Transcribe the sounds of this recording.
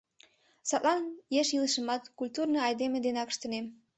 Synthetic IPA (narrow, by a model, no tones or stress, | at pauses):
sɑt̪lɑnjeʃjilˠəʃə̆mɑt̪kulʲt̪urnəɑjd̪emed̪enɑkə̥̆ʃt̪ə̆nem